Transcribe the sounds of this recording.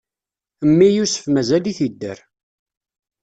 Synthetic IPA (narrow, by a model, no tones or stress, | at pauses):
əmːijusə̥fmæzæliθid̪ːə̰ɾ